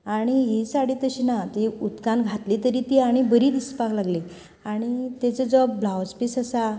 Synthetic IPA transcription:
aɽ̃iɦisaɽiːt̪əɕinat̪iut̪kãnɡʱat̪lit̪əɾit̪iaɽ̃ibəɾid̪ispaklaɡli | aɽ̃it̪et͡səd͡zɔblawspisəsa

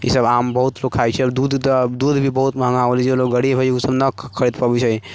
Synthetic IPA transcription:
ḭsəbaːmbəɦut̪lokʰːajt͡ʃʰɛəbd̪ud̪ʱt̪d̪uːd̪ʱbʱibəɦut̪məɦəŋaʋəlielokɡəɽibʱəusəbnəkkʰːəɾid̪pəbit͡ʃʰəj

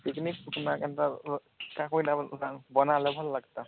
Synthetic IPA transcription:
piknik̚kunakɛnta | kakojnaabɔnalɛbʱɔllaɡt̪a

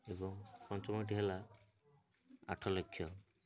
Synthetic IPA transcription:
ebɔŋpɔnt͡ʃɔmɔʈiɦela | a̰ʈʰɔlokʰːjɔ

